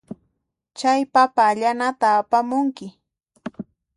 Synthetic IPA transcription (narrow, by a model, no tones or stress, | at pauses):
t͡ʃajpapaːʎanat̪aːpamʊŋkɪ